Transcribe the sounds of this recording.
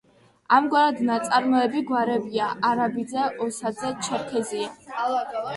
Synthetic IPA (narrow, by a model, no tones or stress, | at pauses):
amɡwaɾad̪nat̪sʼaɾmɔɛbiɡwaɾɛbiaʔaɾabid̪zɛʔɔsad̪zɛt͡ʃʰɛɾkʰɛzia